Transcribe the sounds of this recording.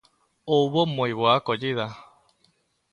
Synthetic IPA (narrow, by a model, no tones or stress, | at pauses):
oβomoiβoakod͡ʒiða